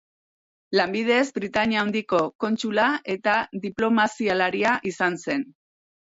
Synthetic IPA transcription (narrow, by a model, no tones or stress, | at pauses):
lambið̞e̞zbɾit̪aɲiaːwnd̪iko̞ko̞nt͡ʃulaʔe̞t̪aðiplo̞masialaɾiaʔisanse̞n